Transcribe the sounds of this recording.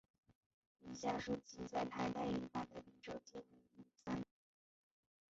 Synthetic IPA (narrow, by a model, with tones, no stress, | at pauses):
i˨˩ɕja˥˩ʂu˥˩t͡ɕi˧˥t͡sa˥˩ɪt̪ʰa˧˥ɪt̪a˥˩ɪli˥˩fa˥˩nd̪ə˩i˧˥ʈ͡ʂo˨˩ʊt͡ɕi˥˩ni˧˥ni˥˩sa˥n